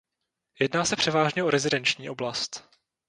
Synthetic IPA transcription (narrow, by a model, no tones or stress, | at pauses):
jɛdnaːsɛpr̥ɛvaːʒɲɛʔo̞ɾɛzɪdɛnt͡ʃɲiːʔo̞blast̪